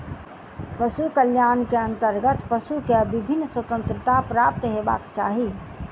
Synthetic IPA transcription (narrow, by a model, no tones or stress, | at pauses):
pəʃukəljaːnkeə̃nt̪əɾɡət̪pəʃukeəbʱibʱɪnːswət̪ə̃nt̪ɾɪt̪apɾaːp̚t̪ɦeba̰ːkt͡ʃa̰ːɦi